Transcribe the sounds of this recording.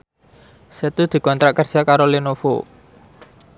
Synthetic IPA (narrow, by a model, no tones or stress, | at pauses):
set̪ud̪̥i̤kɔnt̪ɾaʔkərd̥akaɾolinofo̰